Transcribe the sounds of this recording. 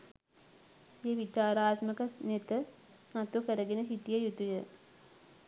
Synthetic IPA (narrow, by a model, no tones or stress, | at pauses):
sijəʋit͡ʃaːɾaːt̪məkənet̪ə | nat̪ukəɾəɡenəɦit̪ijəjut̪ujə